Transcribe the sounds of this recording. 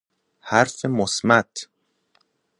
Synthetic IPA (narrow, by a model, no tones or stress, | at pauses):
hæɾfemosmæt̪ʰ